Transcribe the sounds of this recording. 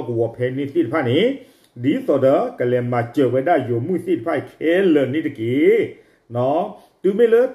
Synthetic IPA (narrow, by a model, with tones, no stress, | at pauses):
ku˨wɔ˨pʰɛ˧˨ni˧˨θi˦˨tpʰa˦˨ni˨˦ | di˨˦t̪ɔ˨də˨˦kə˨lɛ˨ma˨t͡ɕə˨wɛ˧˦ɗa˦˨jo˨mu˦˨θi˦˨tə˨pʰa˦˧˨kʰe˦lə˨ni˦˨tə˨ki˨˦ | nɔ˨˦ | tu˨me˦˨lə˦